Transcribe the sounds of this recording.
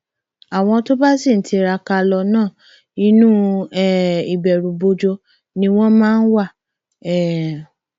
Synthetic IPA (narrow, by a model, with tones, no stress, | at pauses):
a˨w̃ɔ̃˧to˦ba˦si˦˨n̩˨˦tʰi˧ɾa˧ka˧lɔ˧nãː˦˨ | i˦nũ˦ɛ˦˨i˨bɛ˨ɾũ˨bo˧d͡ʒo˧ | nĩ˧w̃ɔ̃˦mãː˦n̩˦wa˦˨ | ɛ˦˨